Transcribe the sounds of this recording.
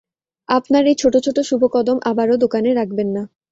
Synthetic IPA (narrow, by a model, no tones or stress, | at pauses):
apnaɾejt͡ɕʰoʈot͡ɕʰoʈoʃubʱokɔd̪omʔabaɾod̪okaneɾak̚ʰbenːa